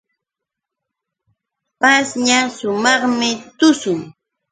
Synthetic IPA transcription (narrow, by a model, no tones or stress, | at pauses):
pasɲasʊmɑχmɪt̪ʊsʊŋ